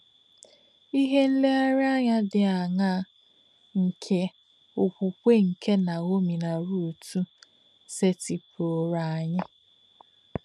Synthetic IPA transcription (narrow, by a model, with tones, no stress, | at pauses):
i˦ɦe˦n̩˦le˦a˦ɾɪ˦a˦ɲa˦dɪ˨a˨ŋa˦ | ŋ̩˨kʰe˦ | ʊ˨kʷu˨kʷe˦ŋ̩˨kʰe˦na˨o˦mi˨na˨ɾu˦˨tʰu˦ | se˦ti˨po˨ɾa˨ɲa˦